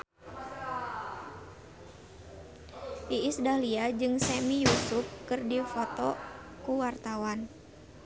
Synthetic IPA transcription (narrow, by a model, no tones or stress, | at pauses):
ʔiːsdahliad͡ʒɨŋsɛmijusufkɨrdifɔt̪ɔ | kuwart̪awan